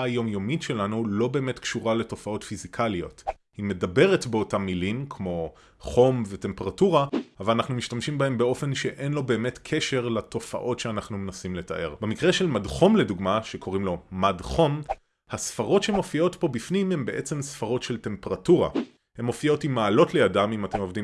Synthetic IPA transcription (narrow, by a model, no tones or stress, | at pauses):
jo̞mjomitʃe̞lanulo̞be̞ːme̞tkʃuʁale̞to̞fao̞tfizikʰalijo̞̰t | hime̞dabe̞ʁetbeo̞tamːilimkʰmo̞ | χo̞mvete̞mpeʁatuʁaavalanaχnumiʃtamʃimbahe̞mbeo̞fe̞nʃe̞ʔenlo̞be̞ːme̞tkʰeʃe̞ʁlato̞fa̰ʔo̞tʃeanaχnumenasimle̞ta̰ʔe̞̰ʁbe̞mikʁe̞ʃe̞lmadχo̞mle̞duɡmaʃe̞kʰo̞ʁimlo̞madχo̞m | hasfaʁo̞tʃeemo̞fio̞tpo̞bifnimhe̞mbe̞ʔe̞t͡semsfaʁo̞tʃe̞ltempeʁatuʁa̰ | he̞mo̞fio̞timːaːlo̞tlejadamimate̞mo̞vdim